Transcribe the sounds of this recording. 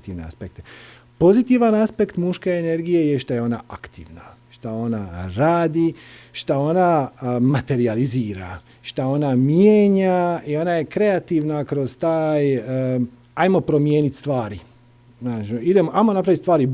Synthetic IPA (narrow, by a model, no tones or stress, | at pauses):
t̪iʋnea̰spek̚t̪e | po̞zit̪iʋanaspe̞kt̪muʃkeːne̞ɾɡijejeʃt̪ajeo̞na̰ʔakt̪ḭːʋna | ʃt̪ao̞na̰ɾaːd̪iʃt̪ao̞namat̪e̞ɾializiːɾa̰ | ʃt̪ao̞namjeːɲaio̞naje̞kɾe̞at̪iʋnakɾo̞z̥t̪aːj | ajmo̞pɾo̞mje̞ːnit̪st̪ʋaːɾi | nat͡ʃid̪emoʔajmonapɾaʋit̪st̪ʋaːɾi